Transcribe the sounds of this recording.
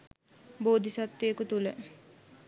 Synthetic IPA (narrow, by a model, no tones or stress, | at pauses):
boːd̪ʱisat̪ːejekut̪ulə